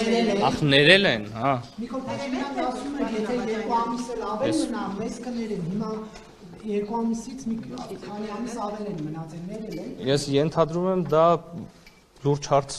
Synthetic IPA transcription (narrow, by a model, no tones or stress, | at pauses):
nɛɾɛlɛɑnɛɾɛlɛnhɑmikʰɔlpʰɛɾɛminɑkɑsumɛnjɛt̪ʰɛjɛɾkuɑmisɛlɑvɛlmənɑmɛzkənɛɾɛnɦimɑ | jɛɾkuɑmisit͡sʰmiikʰɑniɑmisɑvɛlɛnmənɑt͡sɛnɛɾɛlɛnjɛsjɛnt̪ʰɑd̪ɾumɛmd̪ɑ | luɾd͡ʒhɑɾt͡sʰ